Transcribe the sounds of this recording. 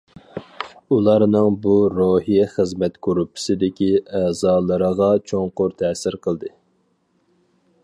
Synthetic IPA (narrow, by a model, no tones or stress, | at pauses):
ulˠɑɾnɨŋbuɾohijɛχəzmɛt̪kʰoɾupʰːɪ̥sɪd̪ɪkʲiɛːzɑːlˠəɾəʁɑt͡ʃʰoŋqʊɾt̪ʰɛːsɪɾqʰəlˠd̪ɨ